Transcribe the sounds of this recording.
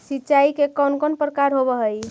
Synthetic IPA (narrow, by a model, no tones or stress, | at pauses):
sitːt͡ʃaikekɔnkɔnpɾəkaɾɦobəɦəj